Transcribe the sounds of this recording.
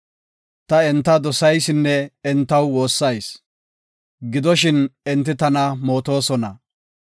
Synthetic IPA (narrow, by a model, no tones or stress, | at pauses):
t̪ɐɛnt̪ːɐd̪ɔsɐjsɪnːɛɛnt̪ːɐwwo̞ːsːɐjs | ɡɪd̪ɔʃ̬ɪnɛnt̪ːɪt̪ɐnɐmo̞ːt̪o̞ːsɔnɐ